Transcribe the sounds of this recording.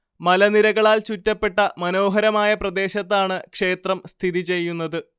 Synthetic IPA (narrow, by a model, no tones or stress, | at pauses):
mɐlɐniɾɐɣɐɭaːlt͡ɕutːɐpːe̞ʈːɐmɐno̞ːɦɐɾɐmaːjɐprɐd̪e̞ːɕɐt̪ːaːɳɨkʂe̞ːt̪rɐmst̪ʰiðit͡ɕe̞jːunːɐðɨ